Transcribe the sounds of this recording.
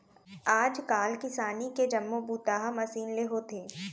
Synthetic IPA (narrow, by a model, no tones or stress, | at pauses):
aːd͡ʒkaːlkɪsaːniked͡ʒɐmːobuːt̪aːɦamɐsiːnleɦot̪ʰeː